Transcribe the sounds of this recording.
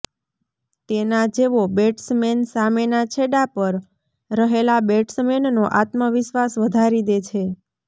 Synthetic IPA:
t̪enad͡ʒeʋobeʈsmensamenat͡ʃʰeɽapəɾ | ɾəɦelabeʈsmennoʔat̪məʋɪʃʋasʋəd̪ʱaɾid̪et͡ʃʰe

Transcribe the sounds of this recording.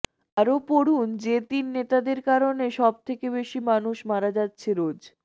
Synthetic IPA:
aɾopoɾund͡ʑet̪inːet̪ad̪eɾkaɾoneʃɔb̚t̪ʰekebeʃimanuʃmaɾad͡ʑatːɕʰeɾod͡ʑ

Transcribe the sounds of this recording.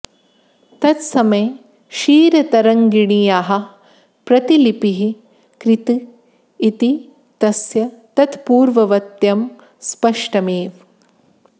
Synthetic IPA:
t̪ɐt̪sɐmɐj | ʃiːɾɐt̪ɐɾɐŋɡiɳijaːɦɐ̆ | pɾɐt̪ilipiɦi | kɾit̪iː | t̪i | t̪ɐsjɐt̪ɐt̪puːɾʋɐʋɐt̪jɐm | spɐʂʈɐmeːʋ

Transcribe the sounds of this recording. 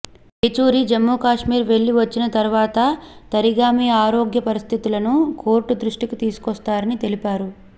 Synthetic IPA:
et͡ʃuːɾid͡ʒɐmːuːkaːʂmiːɾʋe̞ɭːiʋɐt͡ʃːinɐt̪ɐɾuʋaːt̪ɐt̪ɐɾiɡaːmijɐaːɾoːɡjɐpɐɾist̪ʰit̪ulɐnukʰo̞ːɾʈud̪ɾuʂʈikit̪iːsu̥kɔst̪aːɾɐnit̪e̞lipaːɾu

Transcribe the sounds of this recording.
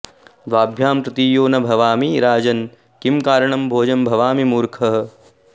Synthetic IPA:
d̪ʋaːbʱjaːmpɾɐt̪iːjoːnɐbʱɐʋaːmiɾaːd͡ʒɐn | kimkaːɾɐɳɐmbʱoːd͡ʒɐmbʱɐʋaːmimuːɾkʰɐɦɐ̆

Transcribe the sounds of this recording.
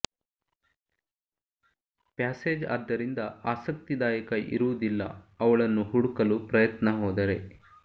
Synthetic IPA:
paːseːd͡ʒa̰ːd̪ːɐɾind̪ɐaːsɐk̚t̪id̪aːjɐkɐʔḭɾuʋud̪ilːɐ̰ɐʋɐɭɐnːuɦuɽukɐlupɾɐjɐt̪nɐɦɔːd̪ɐɾe̞

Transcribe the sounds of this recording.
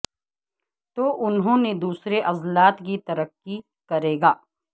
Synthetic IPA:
t̪oːʔʊnɦõːned̪uːsɾeʔɐzlaːt̪kit̪ɐɾəkːi | kɐɾeːɡaː

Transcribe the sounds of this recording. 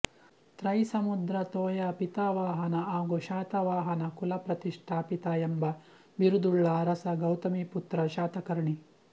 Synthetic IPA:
t̪ɾɐjsɐmud̪ɾɐt̪oːjapit̪aʋaːɦɐnɐaːɡuʃaːt̪ɐʋaːɦɐnɐkulɐpɾɐt̪iʂʈʰaːpit̪ɐjembɐ | biɾud̪uɭːaːɾɐsɐɡɐwt̪ɐmiput̪ɾɐʃaːt̪ɐkɐɾɳi

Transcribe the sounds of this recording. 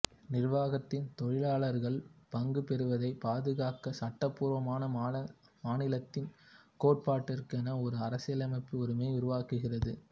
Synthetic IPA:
nɪrʋaːɣɐt̪ːɪnt̪ɔɻɪɭaːɭɐɾɣɐɭpɐŋɡɯpɛɾɯʋɐðɐɪpaːðɯɣaːkɐsɐʈːɐpːuːɾʋɐmaːnɐ | maːnɪlɐt̪ːɪnkoːʈ̚paːʈːɐɾkɐnɐɔɾɯɐɾɐsɪjɐlɐmɐɪpːɯɔɾɯmeːʊɾɯʋaːkɯɣɪrɐðɯ

